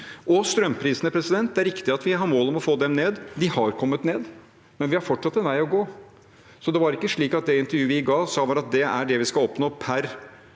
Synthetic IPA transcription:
ʔɔst̪ɾœmpʰɾiːsənəpʰɾɛsɪd̪ɛnt̪̚d̪ɛæɾɪkt̪ɪɑt̪ʋɪɦɑɾmoːlɔmɔfoːd̪ɛmneːd̪d̪ɪhɑɾkʰɔmːət̪neːd̪ | mɛnʋɪhɑɾfɔʈʂɑt̪ːɛnʋæɪɔɡoː | sɔd̪ɛʋɑɾɪkːəʂɭiːkɑt̪̚d̪ɛɪnt̪əɾjʉːəʋɪɡɑːsɑːʋɑɾɑt̪̚d̪ɛæɖɛʋɪskɑlɔpnoːpʰæɾ

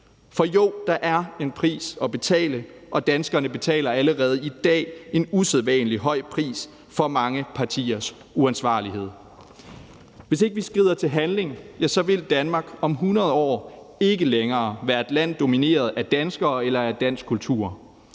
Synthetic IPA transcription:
fɒ̽jod̥ɑ̈ʔæɐe̝npʰʁḭːsɒ̽b̥e̝t͡sʰɛ̰ːlə | ʔɒ̽d̥ænsɡ̥ɐnəb̥e̝t͡sʰɛ̰ːlɐæləʁɛːð̞̩ˠid̥ɛ̰ːe̝nuseðˠʋæːnəliɦɒ̽ɪ̰pʰʁḭːs | fɒ̽mɑ̈ŋəpʰɑ̈t͡sʰḭːɐs | uænsʋɑ̰̈ːliɦe̝ð̰ˠ | ʋe̝se̝ɡ̥əʋisɡ̥ʁḭð̰ˠɐt͡sʰe̝lɦænle̝ŋjæsɒ̽ʋe̝ld̥ænmɑ̈ɡ̥ɒ̽mɦunɐð̞ˠɒ̰ː | e̝ɡ̥əleŋɐːʋæːɐe̝d̥læn̰d̥o̝mine̝̰ːɐð̞ˠæd̥ænsɡ̥ɐːelɐæd̥æn̰sɡ̥kʰult͡sʰṵɐ

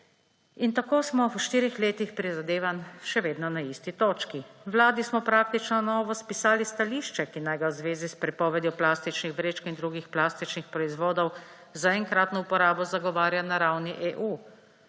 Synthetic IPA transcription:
int̪akoːsmɔwʃt̪iːɾixleːt̪ixpɾizad̪eːʋanʃɛʋeːd̪nɔnaist̪it̪oːt͡ʃkiʋlaːd̪ismɔpɾaːk̚t̪it͡ʃnɔnɔːʋɔspisaːlist̪aliːʃt͡ʃɛkinajɡawzʋeːzispɾɛpɔːʋɛd̪jɔplaːst̪it͡ʃnixʋɾeːt͡ʃkind̪ɾuːɡixplaːst̪it͡ʃnixpɾɔizʋoːd̪ɔw | zaɛŋkɾaːt̪nɔupɔɾaːbɔzaɡɔʋaːɾjanaɾawniʔeːʔuː

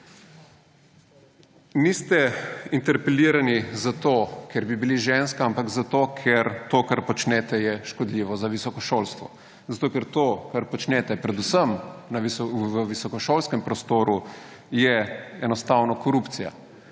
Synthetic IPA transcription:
nist̪ɛint̪ɛɾpɛliːɾanizat̪okɛɾbibiliʒenskaampakzat̪okʰɛɾt̪oːkaɾpɔt͡ʃnɛt̪ɛjɛʃkɔd̪liʋɔzaʋisɔkɔʃoːlst̪ʋɔ̰ | zat̪oːkɛɾt̪okaɾpɔt͡ʃnɛt̪ɛpɾɛd̪usəmnaʋiʋəʋisɔkɔʃoːlskɛmpɾɔst̪oːɾu | jɛɛnɔst̪awnɔkɔɾupt̪sija̰

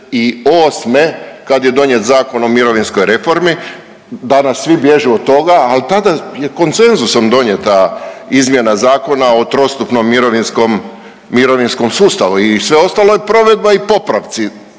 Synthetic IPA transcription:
ioːsmekad̪je̞d̪o̞ɲjet̪zaːko̞no̞miɾo̞ʋinsko̞jɾe̞fo̞ɾmi | d̪anasːʋibje̞ʒuot̪ːo̞ɡaːlit̪ad̪ajeko̞nt̪se̞nzusomd̪o̞ɲje̞t̪aizmje̞nazaːko̞naot̪ɾo̞st̪upno̞mːiɾoʋinskomː | iɾo̞ʋinsko̞msuːst̪aʋuisʋe̞o̞st̪alo̞jepɾo̞ʋe̞d̪̚baipo̞pɾaʋt̪si

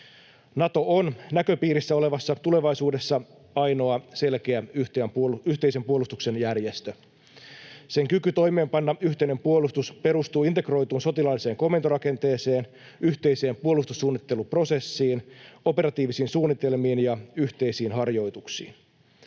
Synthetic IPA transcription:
nɑt̪o̞ʔonnækø̞piːɾisːæo̞le̞ʋɑsːɑt̪ule̞ʋɑjsuːde̞sːɑ | ɑjno̞ɑse̞lk̟e̞æyt̪eæpyht̪e̞ise̞mpuo̞lust̪ukse̞njærje̞st̪ø | se̞ŋkykyt̪o̞jme̞ːmpɑnːɑyçt̪e̞ine̞mpuo̞lust̪uspe̞ɾust̪uːint̪e̞kro̞jt̪uːnso̞t̪ilɑlːise̞ːŋko̞me̞nt̪oɾɑke̞nt̪e̞ːse̞ːn | yçt̪e̞jse̞ːmpuo̞lust̪usːuːnːit̪ːe̞lupro̞se̞sːiːno̞pe̞ɾɑt̪iːʋisiːnsuːnːit̪e̞lmiːnjɑyht̪e̞isiːnɦɑrjo̞jt̪uksḭːn

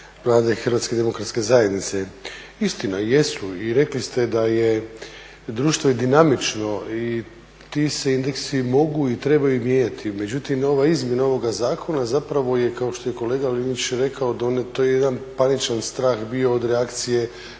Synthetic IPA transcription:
ʋlˠaːd̪exɾrʋat̪ske̞d̪e̞mo̞kɾat̪ske̞zaje̞d̪nit̪se̞ | ist̪inaje̞suiɾe̞klist̪e̞d̪aje | d̪ɾuːʃt̪oid̪inamit͡ʃno̞i | t̪ise̞ind̪eksimo̞ɡuit̪ɾe̞bajumje̞ːɲat̪ʰime̞d͡ʑut̪imo̞ʋaizmje̞nao̞ʋo̞ɡazaːkʰo̞nazapɾaʋo̞je̞kao̞ʃt̪o̞je̞ko̞le̞ːɡalinit͡ɕɾe̞kʰao̞d̪aonet̪ojejed̪anpanit͡ʃanst̪ɾaːxbio̞ːd̪ɾeakt̪sije̞

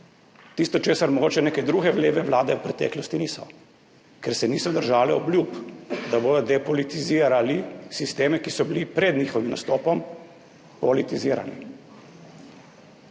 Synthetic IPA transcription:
t̪ist̪ɔt͡ʃeːsaɾmɔɡoːt͡ʃɛneːkɛd̪ɾuːɡɛʋleːʋɛʋwlaːd̪ɛwpɾɛt̪ɛ̰ːklɔst̪iniːsɔ | kɛɾsɛniːsɔd̪əɾʒaːlɛɔbljupd̪aboːd̪ɔd̪ɛpɔlit̪iziːɾalisist̪eːmɛkisɔbilipɾɛd̪niːxɔʋimna̰st̪oːpɔm | pɔlit̪iziːɾa̰nḭ

